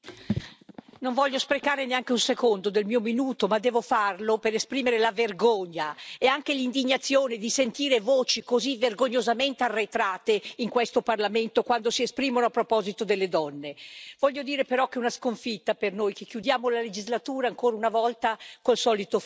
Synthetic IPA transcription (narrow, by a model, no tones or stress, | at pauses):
noɱvɔʎːospɾekaːɾeneaŋk̟eunsekond̪od̪elmiːominuːt̪omad̪ːɛːvofarlopeɾespɾiːmeɾelaverɡoɲːaeaŋk̟elind̪iɲːat̪sːjoːned̪isent̪iːɾevoːt͡ʃikozivːerɡoɲːozament̪earːet̪ɾaːt̪eiŋkwest̪oparlament̪okwand̪osiespɾiːmonoapːɾopɔːzit̪od̪elːed̪ɔnːevɔʎːod̪iːɾepeɾɔkːɛunaskoɱfit̪ːapernoːjkekːjud̪jaːmolaled͡ʒizlat̪uːɾaːŋkoːɾaunavɔlt̪akolsɔːlit̪o